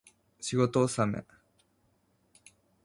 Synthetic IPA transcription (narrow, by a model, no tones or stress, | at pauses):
ɕiɡo̞t̪oːsamḛ